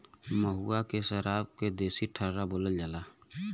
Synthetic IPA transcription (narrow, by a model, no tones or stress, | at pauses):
məɦuakeʃəɾaːbked̪eːsiʈʰəɾɾaboːləld͡ʒaːla